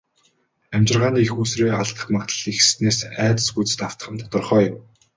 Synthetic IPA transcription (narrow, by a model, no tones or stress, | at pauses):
æmʲt͡ɕɪ̆rʁaːniːexuːsreːaɮt̪ə̆χmat̪ə̆ɮixssneːsæːt̪ə̆sput͡sɘ̆t̪aw̥t̪ə̥̆χə̆mt̪ʰɔt̪ɞ̆rχœːjʊm